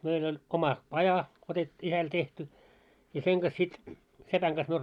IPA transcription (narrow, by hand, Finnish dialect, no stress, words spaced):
meil olʲ omɑ pɑjɑ otet isæl tehty jɑ seŋ ɡ̊ɑs sit sepæŋ ɡ̊ɑs myø